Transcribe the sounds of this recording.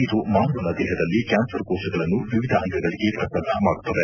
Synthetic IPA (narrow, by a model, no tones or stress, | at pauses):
id̪umaːnʋɐnɐd̪ɛːɦɐd̪ɐlːikaːmsɐɾkoːsɐɡɐɭɐnːuʋiʋid̪ʱɐʔɐŋt̪ʰɐɡɐɭiɡe̞pɾɐkɐnɐmaːɽut̪ːɐd̪e